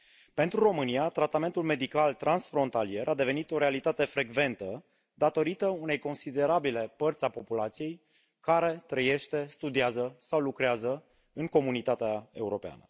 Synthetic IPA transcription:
pe̞nt̪ɾuro̞mɨnijat̪ɾat̪ame̞nt̪ulme̞d̪ikalt̪ɾʔansfɾo̞nt̪alie̞ɾʔad̪e̞ve̞nit̪o̞ɾe̞alit̪at̪e̞fɾe̞ɡve̞nt̪ə | d̪at̪o̞ɾit̪əune̞jko̞nsid̪e̞ɾabile̞pərt̪sʲapo̞pulat̪sije̞j | kaɾe̞t̪ɾəje̞ʃt̪e̞st̪ud̪iazəsawlukɾeazə | ɨŋko̞munit̪at̪eae̞uɾo̞pea̰nə̰

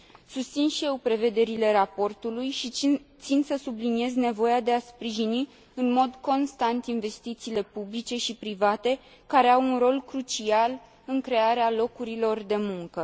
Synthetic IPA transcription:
sust̪sinʃije̞wpɾe̞ve̞d̪e̞ɾile̞ɾapo̞rt̪ulujʃit̪sinsəsublinie̞zne̞vo̞jad̪e̞aspɾiʒini | ɨnmo̞d̪ko̞nst̪ant̪inve̞st̪it̪siːle̞publit͡ʃe̞ʃipɾivat̪e̞ | kaɾe̞awunro̞lkɾut͡ʃial | ɨŋkɾe̞aɾealo̞kuɾilo̞rd̪e̞muŋkə

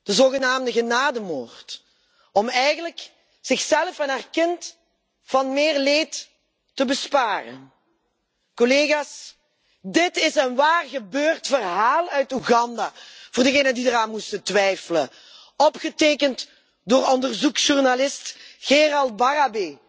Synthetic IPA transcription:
d̥əzoːɣənaːmdəɣənaːdəmo̰ːrt | ɔmɛjɣənlək | z̥ɪxsɛlˠfɛnɦaːrkɪnt | fɑnmɪːrleːtː | əbəspaːrə̰n | koleːɣaːs | dɪtɪsənʋaːrɣəbøːrtfərɦaːlˠœɥtuɣɑndaːvoːrdəɣeːjnəndidəɾaːnmustətʋɛjfələ̰ | ɔpxəteːkənt | doːrɔndərzuksʒurnalɪstxerɑlˠt̚barabe

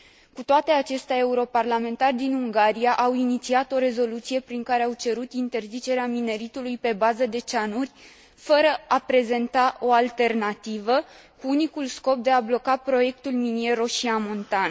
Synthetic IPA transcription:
kut̪oat̪e̞at͡ʃe̞st̪ʲae̞uɾo̞parlame̞nt̪arʲd̪inuŋɡaɾijaʔawinit̪siat̪o̞ɾe̞zo̞lut̪sije̞pɾiŋkaɾe̞awt͡ʃe̞ɾut̪int̪e̞rzit͡ʃe̞ɾeamine̞ɾit̪ulujpe̞bazəd̪e̞t͡ʃanurʲ | fəɾəapɾe̞ze̞nt̪aʔo̞alt̪e̞rnat̪ivə | kuunikulsko̞p̚d̪e̞ablo̞kapɾo̞je̞k̚t̪ulminie̞ɾo̞ʃiamo̞nt̪an

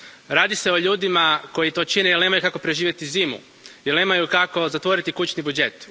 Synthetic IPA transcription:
ɾaːd̪ise̞o̞ʎuːd̪imako̞jit̪o̞ːt͡ʃinejelne̞ːmajukako̞pɾeʒiːʋjet̪iziːmṵ | jelne̞ːmajukako̞zat̪ʋo̞ɾit̪ikut͡ʃnibud͡ʒe̞t̪

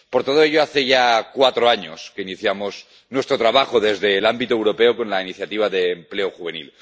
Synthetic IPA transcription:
poɾt̪oð̞oeʎoaθeʝakwat̪ɾoaɲoskeiniθjamoz | nwe̞st̪ɾot̪ɾaβaxoðezðeːlambit̪oewɾopeokonlainiθjat̪iβ̞aðeːmpleoxuβenḭl

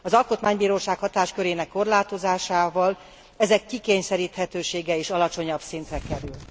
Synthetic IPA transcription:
ɒzɒlkot̪maːɲbiːɾoːʃaːkhɒt̪aːʃkøɾeːnɛkːo̞rlaːt̪o̞zaːʃaːvɒl | ɛzɛkːikeːɲsɛɾiːt̪hɛt̪øːʃeːɡɛeːʃɒlɒt͡ʃo̞ɲɒbsint̪rɛkɛɾyl

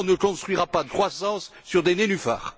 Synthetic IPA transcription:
nəkɔ̃st̪χɥiʁapad̪əkχwasɑ̃sːyʁd̪enenyfa̰ːʁ

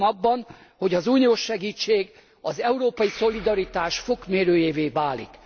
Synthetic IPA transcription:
mɒbːɒn | ho̞ɟɒzuːnijoːʃːɛɡiːt͡ʃːeːɡ | ɒzɛuɾoːpɒjiso̞lid̪ɒɾit̪aːʃfo̞kmeːɾøːjeːveːvaːlḭk

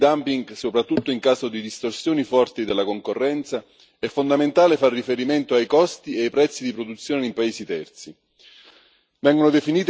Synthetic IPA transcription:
d̪ampiŋɡsopɾat̪ːut̪ːoiŋkaːsod̪id̪ist̪orsjoːnifɔrt̪id̪elːakoŋkorːɛnt̪sa | ɛfːond̪ament̪aːlefarːifeɾiment̪oajkɔst̪ieajpɾɛt̪sːid̪ipɾod̪ut̪sːjoːneimpaeːsit̪ɛrt̪si | vɛŋɡonod̪efiniːt̪

